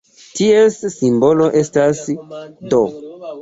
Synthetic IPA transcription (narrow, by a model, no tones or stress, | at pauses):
tiesːimbo̞lo̞ʔe̞stasdo